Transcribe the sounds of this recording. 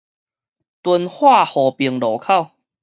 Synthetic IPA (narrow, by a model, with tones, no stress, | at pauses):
t̪wu˧nhwa˥˧hɔː˨˩pi˨˧əŋlɔː˨˦kʰa˥˨w